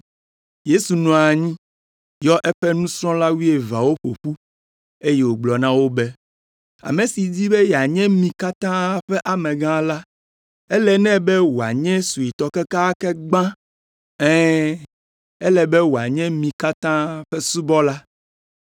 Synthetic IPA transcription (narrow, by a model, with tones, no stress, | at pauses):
je˦su˨nɔ̃˨a˨ɲĩ˦ | jɔ˦ʔɛ˦ɸɛ˦nũ˦sɾɔ̃˦la˦wi˦e˨va̰˨wo˦ɸo̰˨ɸu˦ | e˦je˨wo˨ɡ͡blɔ˨nã˦wo˦bɛ˦ | a̰˨mẽ˨si˨d͡ʑi˦bɛ˦jɛ˨a˨ɲɛ̃˦mĩ˨ka˦t̪ã˦ɸɛ˦ʔa˨mɛ̃˨ɡã˦la˦ | ɛ˦lɛ˨nɛ̃˦bɛ˦wo˨a˨ɲɛ̃˦su˨i˨t̪ɔ˨kɛ˦ka˦kɛ˦ɡ͡bã˦ | ɛ̃˦ | ɛ˦lɛ˨bɛ˦wo˨a˨ɲɛ̃˦mĩ˨ka˦t̪ã˦ɸɛ˦su˦bɔ˦la˦